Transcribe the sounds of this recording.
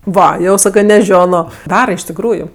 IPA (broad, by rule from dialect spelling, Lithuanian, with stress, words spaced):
ˈʋɐ ˈjɛʊ ˈsɑːkɜ nʲɛˈʒʲoːnoː ˈdɑːrɐ ɪʃ tʲɪkˈruːjʊ